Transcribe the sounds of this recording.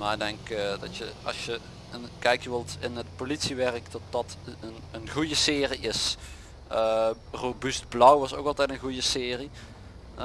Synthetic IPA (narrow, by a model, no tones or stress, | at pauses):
maːɪɡ̚dɛŋkdɑ̰tjəɑ̰sjə | nkɛjkjəʋɪlˠtɪnət̚politsiʋɛrəkdɑt̚d̥ɑtənənɣujəsɪːriʔɪs | ə | robyst̚blʌwʋɑsowkɑlˠtɛjtənɣujəsɪːri